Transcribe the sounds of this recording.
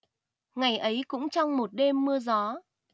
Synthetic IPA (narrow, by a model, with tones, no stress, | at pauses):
ŋa˨˩jʔə˨˦jkʊ̰˧˥ŋ͡mt͡ɕɔ˧wŋ͡mmo˨˩t̚ɗe˧mːɨ˧əzɔ˨˦